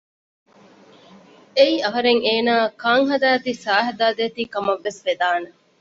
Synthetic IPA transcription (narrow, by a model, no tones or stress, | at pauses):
eiɐɦɐɾeŋeːnaːkaːŋɦɐd̪aːt̪isaːɦɐd̪aːd̪eːt̪iːkɐmɐʋːesfed̪aːne